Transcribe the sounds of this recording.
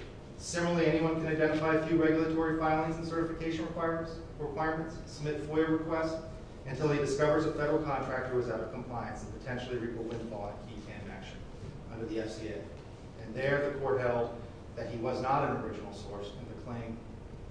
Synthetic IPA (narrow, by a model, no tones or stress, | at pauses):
sɪ̃m̩̃lˠiɛniwʌ̃nkɨ̃naɪdɛ̃ɾ̃ɨfaɪɨfjʉɹɛɡjl̩ˠətʰɔɹifãɪ̃nlˠĩŋz̃n̩sɜ˞ɾɨfɨkʰeɪʃɨ̃n̩ɹɨkʰw̥aɪ | ɹɨkʰw̥aɪə˞mɨ̃ntssəb̚mɪtfɔɪɨɹɨkʰw̥ɛst | ɨ̃ntʰɪlˠɨdɨskʌvə˞zəfɛɾə˞l̩ˠkʰɑ̃ntʰɹ̥æk̚tʰə˞wʌzaʊɾʌv̥kʰm̩pʰl̥ãɪɨ̃nsnpɨtʰɛ̃nʃl̩ˠiɹikəwɪ̃nfɔlˠɨkʰitʰæ̃ndæ̰kʃɨ̰̃n | ʔʌ̰̃ndə˞ðiɛfsieɪ | ɨ̃nðə˞ðɨkʰɔɹt̚ɦɛlˠd̪̚ | ðɨt̚hiwʌznəɾɨ̃nə˞ɪd͡ʒn̩l̩ˠsɔɹsɨ̃nðɨkʰl̥ẽɪ̃m